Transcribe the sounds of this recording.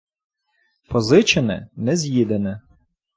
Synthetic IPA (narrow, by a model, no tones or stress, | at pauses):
pɔzɪt͡ʃenɛ̰nɛzʲjid̪enɛ